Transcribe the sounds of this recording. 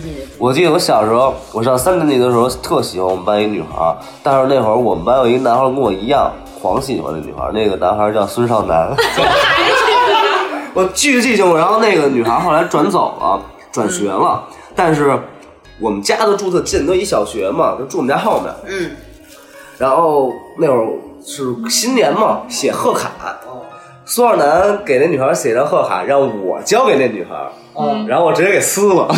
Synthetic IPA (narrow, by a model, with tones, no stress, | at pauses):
wʔɔ˨˩t͡ɕi˥˩jo˧˥ʊɕjɑ˨˩ʊʂɤ˥wɔ˨˩ʂsa˥nt̪ɛ˥nt͡ɕi˧˩d̪ə˧ʂɻ̩˧˥xo˧ʊt̪ʰɤ˥˩ɕi˧˥wa˥˩wɔ˨˩m˦pa˧˥ni˧˥˧ny̰˨˩xə̰˧˥ | t̪a˥˧nʂɻ̩˧ne˥˩ɪxwə˧˥wɔ˨˩m˦pa˧˥jo˨˩ʊi˧˥ɡə˧na˧˥nxa˧˥kə˥nwɔ˨˩i˧˥jɑ˥˩ŋ | xwɑ̰˧˥ŋɕʰi˥˩˨wa̰˧˥˧ny̰˨˩ə̰˧˥ne˥˩ɡə˩na˧˥nxa˧˥t͡ɕjɑ˥˧˩ʊswə˥ʂɑ˥˩ʊna̰˧˥n | wɔ˨˩t͡ɕy˥˧y˧˥t͡ɕi˥˧ɕi˥˩ŋ˨ɻa˧˥nxo˥˧ʊne˥˩ɪɡə˩ny˨˩xə˧˥xo˥˩ʊla˧˥ɪʈ͡ʂwa˧˥nt͡so˨˩ʊlɐ̰˧ | ʈ͡ʂwa˨˩nɕɥɛ˧˥lə˧ | t̪a˥˧nʂ̬ɻ̩˥˩ | wɔ˨˩mə˦nt͡ɕja˥d̪ə˨ʈ͡ʂu˥˧t͡sʰɤ˥˩t͡ɕi˥˩˧no˥˧˦i˥˩ɕjɑ˨˩ʊɕɥɛ˧˥mɐ˧t͡ɕo˥˧ʈ͡ʂu˥˩˨m˨˦t͡ɕja˥xɑ˥˩ʊmjə̰˨˩n˩ | ɻa˧˥nxo˥˧ʊne˥˩wə˧˥ʂɻ̩˥˩ɕi˥nljɛ˧˥nmɐ˧ɕjɛ˨˩xɤ˥˩kʰa̰˨˩˦ | swa˥˩na˧˥nke˨˩ɪn˥˩˧ny˨˩ə˧˥ɕjɛ˨˩˥ɑ˥˧xɤ˥˩kʰa̰˨˩˦ɻɑ˥˩ŋwɔɔ̰˨˩t͡ɕjɑ˥ʊke˨˩ɪne˥˩ɡə˩ny˨˩xə̰˧˥ | ɻa˧˥nxo˥˩wɔ˨˩ʈ͡ʂ̩˧˥jɛ˥ke˨˩ɪsɹ̩˥lə˨